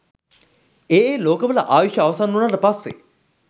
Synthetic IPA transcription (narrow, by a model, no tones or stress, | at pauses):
eːeːloːkəʋələʔaːʋiʃjɐːʋɐsanːunaʈəpasːḛ